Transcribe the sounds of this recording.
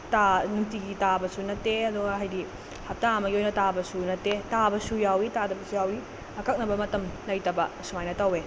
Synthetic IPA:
tanuŋtiɡitabɐsunɐtːeɐduɡɐɦajdi | hɐp̚taɐmɐɡiojnɐtabɐsunɐtːetabɐsujawitadɐbɐsujawi | ɐkɐk̚nɐbɐmɐtɐmlɐjtɐbɐsumajnɐtɐwe

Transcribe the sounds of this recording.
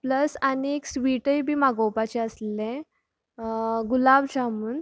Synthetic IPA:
pləsanieksʋiʈəjbʱiːmaɡowpat͡ɕeəslẽ | ɡulabɕamuːn

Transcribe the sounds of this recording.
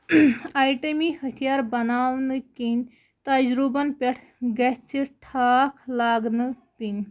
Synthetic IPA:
aːjʈemihɐt̪ʰijaːɾbɐnaːʋnɨkinʲ | t̪ɐd͡ʒɾubɐnpʲeʈʰ | ɡɐt͡ʃʰiʈʰaːkʰlaːɡnɨ | pinʲ

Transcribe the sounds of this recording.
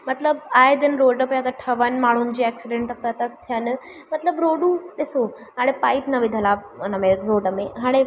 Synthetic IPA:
mɐt̪ləbaːɦed̪enɾoːɖəpəjat̪aʈʰɐʋənmaːɳ̤uːnɪ̆d͡ʑiːɛksɪɖẽɳʈɐk̚t̪at̪əkt̪ʰijən | mɐt̪ləbɾoɖuɗɪso | ɦaːɽ̃epaːit̪nɐʋɪd̪ʱəlanəmẽɾoːɖəmẽɦaːɽ̃e

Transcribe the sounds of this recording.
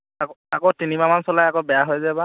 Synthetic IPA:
akakotinimamansɔlajakobɛjaɦojzɛba

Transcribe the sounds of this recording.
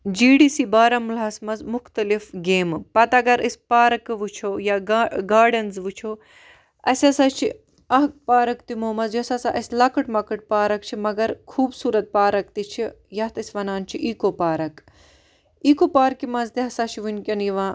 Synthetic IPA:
d͡ʒiːɖiːsiːbaːɾɐmulɐsmɐzmʊxt̪ɐlifɡeːmpɐt̪ɐɡɐɾʔispaːɾɐkʋut͡ʃʰoːjaːɡaːɾɖɐnzʋut͡ʃʰoː | ɐsʲɐsat͡ʃʰi | ɐɦkpaːɾɐkt̪imoːmɐzjɐsɐsaːʔɐsʲlɐkɨʈmɐkɨʈ̚paːɾɐk̚t͡ʃʰimɐɡɐɾkʰuːbsuːɾɐt̪̚paːɾɐk̚t̪it͡ʃʰi | jɐht̪ɐsʲʋɐnaːnt͡ʃʰiʔiːkopaːɾɐk | iːkoːpaːɾkimɐzt̪iɦɐsaːt͡ʃʰiʋunkʲɐnjiʋãː

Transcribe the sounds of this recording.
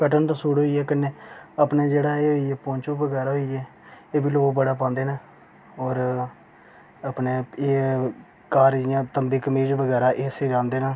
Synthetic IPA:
kəʈənt̪ãːsuːɽɦoːiːɛːkənːeːəpneːd͡ʒeːɽaːeːɦoːiːɛːpõːnt͡ʃoːʋəɡɛːɾaːɦoiɛː | eːbiːloːɡbəɽaːp̬ãːnd̪eːnaː | ɔːɾ | əpneːeː | kaːɾjãːt̪əmbiːkəmiːd͡ʒʋəɡɛːɾaːʔeːseːd͡ʒãːnd̪eːnaː

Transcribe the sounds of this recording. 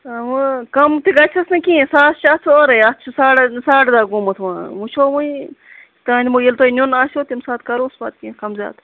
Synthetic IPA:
ɐʋkɐmt̪iɡɐt͡ʃʰɐsnɨkĩːsaːt̪t͡ʃʰɐt̪ʰuoɾɐjɐt̪ʰt͡ʃʰusaːʈsaːʈd̪aːɡumɐt̪ʰʋãːmut͡ʃʰoːmuĩ | t̪aːnd̪ʲimojilt̪oinʲunaːsʲoːt̪imsaːt̪̚kɐɾoːsba̰ːt̪̚kĩːkɐmzʲja̰ːt̪

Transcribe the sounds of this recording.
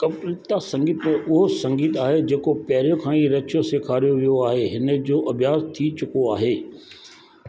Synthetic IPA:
kɐbʈlɪt̪asɐ̃ŋɡiːt̪mẽʔʊɦosɐ̃ŋɡiːt̪aːɦed͡ʑeːkopɐɦɾijõkʰãːĩɾɐt͡ʃʰjosekʰaːɾijoʋijoaːɦeɦɪnə̆d͡ʑoːʔɐbijaːst̪ʰit͡ɕʊkoaːɦeː

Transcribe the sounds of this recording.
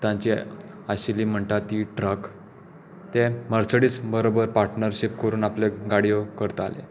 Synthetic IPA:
t̪ãɲt͡ɕi | aɕiliːm̤əɳʈ̪at̪iʈɾək | t̪eməɾsəɽiːt͡sbəɾobəɾpaɾʈnəɾɕip̚kəɾuːnaplaɡaɽijokəɾt̪alḛ

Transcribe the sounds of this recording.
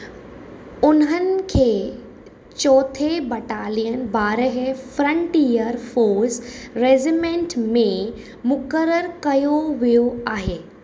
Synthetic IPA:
ʊnɦənɪ̆kʰeː | t͡ɕɔːt̪ʰebɐʈaːlijənbaːɾəɦefɾə̃ɳʈijəɾfoːɾsɾeːzimẽːɳʈmẽ | mʊkəɾəɾkɐjoʋijoaːɦeː

